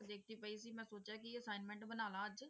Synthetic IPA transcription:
d̪eːk̚ʰt̪ipəis̬iːmɛ̃ːsoːt͡ʃakiəsaːɪnmɛ̃ːɳʈbənaːlaəd͡ʒ

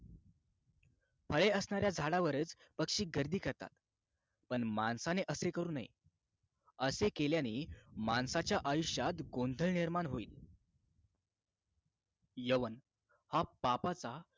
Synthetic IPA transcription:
fʰəɭeəsɳaɾjad͡zʱaɽaʋəɾət͡spəkʂiːɡəɾd̪ʱiːkəɾt̪a̰t̪ | pəɳmansaneʔəsekəɾuːnaḭ | əsekeljaniːmansat͡ɕjaʔajuʂjat̪ɡond̪ʱəɭniɾmaɳɦoiːl | jəʋən | hapapat͡sa

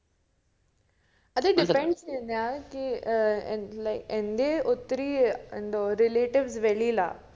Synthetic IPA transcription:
ɐd̪əɖɪfɾẽɳʈsẽnd̪ijaki | laɪkẽnd̪eʊt̪ɾiɪ̃nd̪oɾɪleːʈɪʋzʋelila̰ː

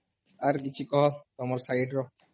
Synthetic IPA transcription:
aɾk̬it͡ɕʰukɔɦɔt̪ɔmɔɾsaiʈɾɔ

